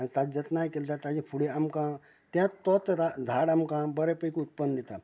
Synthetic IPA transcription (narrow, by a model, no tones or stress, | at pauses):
aɽ̃it̪ad͡ʑət̪najkelt̪at̪ad͡ʑepʰuɽeamkã | t̪jãt̪ɔt̪ɾad͡zʱaɽamkãbəɾepəjkiut̪̚pənːd̪it̪a